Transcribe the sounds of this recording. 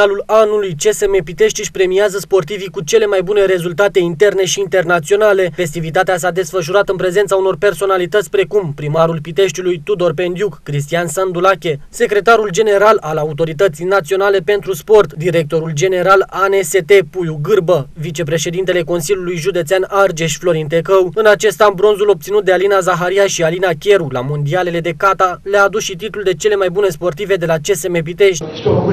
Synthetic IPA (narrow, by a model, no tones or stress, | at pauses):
alulanulujt͡ʃe̞semepit̪e̞ʃt̪ʲiʃʲpɾemiazəspo̞rt̪ivikut͡ʃe̞le̞majbune̞ɾe̞zult̪at̪e̞int̪e̞rne̞ʃiːnt̪e̞rnat̪sio̞nale̞fe̞st̪ivit̪at̪eas̬ad̪e̞sfəʃ̬uɾat̪ɨnpɾe̞ze̞nt̪sauno̞rpe̞rso̞nalit̪ət̪sʲpɾe̞kumpɾimaɾulpit̪e̞ʃt̪ʲulujt̪ud̪o̞rpe̞nd̪jukːɾis̬t̪ijansənd̪ulakʲe̞se̞kɾe̞t̪aɾuld͡ʒe̞ne̞ɾalalaut̪̬o̞ɾit̪ət̪sijnat̪sio̞nale̞pe̞nt̪ɾuspo̞rt̪d̪iɾe̞k̚t̪o̞ɾuld͡ʒe̞ne̞ɾalanese̞t̪e̞pujuɡɨrbəvit͡ʃe̞pɾe̞ʃed̪int̪e̞le̞ko̞nsilʲjulujʒud̪e̞t̪seanard͡ʒe̞ʃʲflo̞ɾint̪̬e̞kəwɨnat͡ʃe̞st̪ambɾo̞nzulo̞b̚t̪sinut̪̚d̪e̞alinazaɦaɾijaʃialinakʲe̞ɾulamo̞nd̪iale̞le̞d̪e̞kat̪alaːd̪usʃit̪it̪uld̪e̞t͡ʃe̞le̞majbune̞spo̞rt̪ive̞d̪e̞lat͡ʃe̞se̞mep̬it̪e̞ʃt̪ʲ